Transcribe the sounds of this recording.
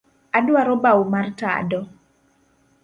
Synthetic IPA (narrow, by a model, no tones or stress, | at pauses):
adwaɾɔbawmarta̰dɔ